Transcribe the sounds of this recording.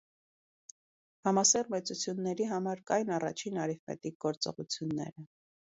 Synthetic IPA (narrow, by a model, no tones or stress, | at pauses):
hɑmɑsɛrmɛt͡sut͡sʰjunːɛɾiɦɑmɑɾkɑjnɑrɑ̰t͡ʃʰinɑɾɛvmɛ̰t̪ik̚ɡɔɾt͡sɔ̰ʁut͡sʰjunːɛ̰ɾə